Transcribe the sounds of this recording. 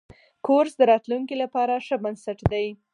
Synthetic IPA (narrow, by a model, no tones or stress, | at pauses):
kʰoɾsd̪əɾɑt̪luŋkilapɑɾaʂəbansaʈd̪aj